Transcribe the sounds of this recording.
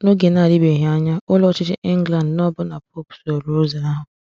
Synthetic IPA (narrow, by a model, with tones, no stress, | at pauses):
no˦ɡe˨na˦˨ɾi˦be˨ɦja˦ɲa˦ʊ˦lɔ˦t͡ʃɪ˦t͡ʃɪ˦ʔɪ˦ŋ̩˦ɡla˨nd̩˨nɔ˦bʊ˦na˨po˦pso˨ɾo˨˦za˨a˦ɦʊ˨